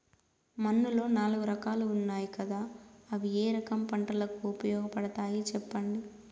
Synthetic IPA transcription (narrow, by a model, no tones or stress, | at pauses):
mɐnːulo̞ːnaːluɡuɾɐkaːluːnːaːjikɐd̪aːɐʋieːɾɐkɐmpɐɳʈɐlɐkuupɐjɔːɡɐpɐɽɐt̪aːjit͡ʃɛpːɐɳɖi